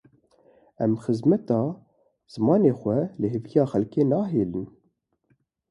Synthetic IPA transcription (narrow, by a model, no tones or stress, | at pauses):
ɛmxəzmɛt̪ɑː | z̥ɨmɑːneːxʷɛləɦɨvijɑːxɛlkeːnɑːɦeːlɨn